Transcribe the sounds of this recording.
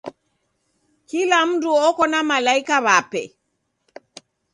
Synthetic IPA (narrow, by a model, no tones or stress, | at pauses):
kilam̩duɔkɔnamalaikaβapɛ̰